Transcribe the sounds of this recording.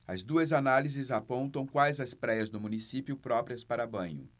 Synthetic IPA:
ɐzd̪uɐzanalizɪzapõnt̪ɐ̃w̃kwajzɐspɾɛjɐzd̪ʊmũnisipjʊpɾɔpɾiɐspaɾɐbɐ̃ɲʊ̰

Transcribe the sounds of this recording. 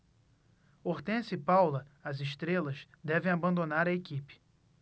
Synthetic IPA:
oht̪ẽsɪpawlɐɐzɪʃt̪ɾelɐz | d̪ɛvẽj̃abɐ̃nd̪onaɾɐekipɪ̥

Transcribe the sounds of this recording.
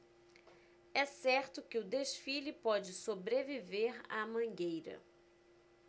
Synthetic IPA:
ɛsɛɾt̪ʊkɪʊd̪eʃfilɪpɔd͡ʒɪsobɾeviveɾa̰mɐ̃ɡejɾɐ̰

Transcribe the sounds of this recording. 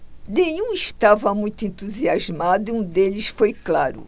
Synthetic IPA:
nẽɲũiʃt̪avɐmũj̃t̪ʊẽnt̪uziazmad̪ʊiũd̪elɪsfojklaɾʊ̰

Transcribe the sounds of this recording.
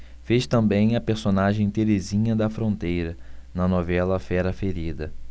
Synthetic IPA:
feʃt̪ɐ̃mbẽj̃ɐpeɾsonaʒẽj̃t̪eɾezĩɲɐd̪ɐfɾõnt̪ejɾɐnɐnɔvɛlɐfɛɾɐfeɾid̪ɐ

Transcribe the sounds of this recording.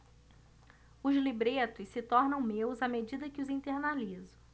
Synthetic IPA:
ʊzlibɾet̪ʊssɪt̪ɔɾnɐ̃w̃mewzamed͡ʒid̪ɐkɪʊzĩt̪eɾnalizʊ̥

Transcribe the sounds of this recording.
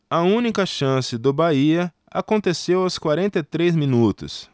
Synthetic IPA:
ɐũnikɐʃɐ̃sɪd̪ʊbaiɐ | a̰kõnt̪esewɐskwaɾẽnt̪ɐit̪ɾezmĩnut̪ʊ̰s

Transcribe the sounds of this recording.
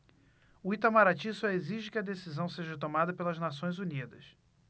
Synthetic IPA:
uit̪amaɾat͡ʃisɐeziʒɪkɪɐd̪esizɐ̃w̃seʒɐt̪̬omad̪ɐpelɐznasõj̃zunid̪ɐs

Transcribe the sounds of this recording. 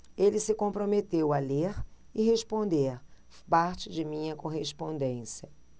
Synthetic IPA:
elɪsɪkõpɾomet̪ewɐleɾ | ɪɦespõnd̪eɾ | paɾt͡ʃɪd͡ʒɪmĩɲɐkoɦespõnd̪ẽsjɐ

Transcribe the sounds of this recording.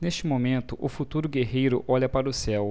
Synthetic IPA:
neʃt͡ʃɪmomẽnt̪ʊʔʊfut̪uɾʊɡeɦejɾʊʔɔʎɐpaɾɐʊsɛw

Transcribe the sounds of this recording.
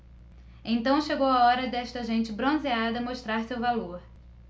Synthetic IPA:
ẽt̪ɐ̃w̃ʃeɡowaɔɾɐd̪ɛʃt̪ɐʒẽnt͡ʃɪbɾõzead̪ɐmoʃt̪ɾaɾsewvaloɾ

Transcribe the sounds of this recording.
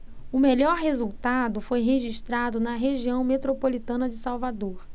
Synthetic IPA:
ʊmeʎɔɾɦezuwt̪ad̪ʊfojɦeʒiʃt̪ɾad̪ʊnɐɦeʒiɐ̃w̃met̪ɾopolit̪ɐ̃nɐd͡ʒɪsawvad̪oɾ

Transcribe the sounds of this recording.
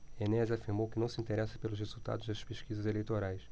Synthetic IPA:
enɛzafiɾmowkɪnɐ̃w̃sɪĩnt̪eɾɛsɐ̥pelʊshezuwt̪a̰d̪ʊʒd̪ɐspeʃkizɐzelejt̪oɾajs

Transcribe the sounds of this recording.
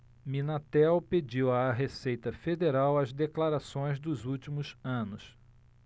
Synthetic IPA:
mĩnat̪ɛwped͡ʒiwaɦesejt̪ɐfed̪eɾawɐzd̪eklaɾasõj̃zd̪ʊzut͡ʃimʊzɐ̃nʊs

